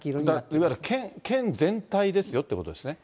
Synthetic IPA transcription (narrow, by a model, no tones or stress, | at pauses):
d̪aiβaiɾakʰẽŋkʰẽ̞nzẽ̞nt̪aid̪e̞sɨjo̞t̪ːeko̞t̪od̪esɨne